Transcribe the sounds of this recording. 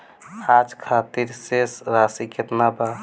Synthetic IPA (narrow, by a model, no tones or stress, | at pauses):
ad͡ʒkʰat̪iɾsesɾasiket̪naba